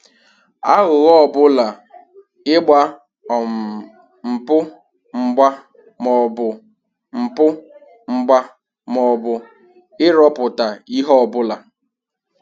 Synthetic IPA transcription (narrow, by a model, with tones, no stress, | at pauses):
a˦ɣʊ˨ɣɔ˦˨bʊ˦la˨ | ɪ˦ɡ͡ba˦ | ɔ˨m̩˨ | m̩˨pʊ˦ | ŋ͡m̩˨ɡ͡ba˦ | mɔ˨bʊ˨ | m̩˨pʊ˦ | ŋ͡m̩˦ɡ͡ba˦ | mɔ˨bʊ˨ | ɪ˦ɾɔ˦pʊ˨ta˨i˦ɦɔ˦ɔ˦˨bʊ˦la˨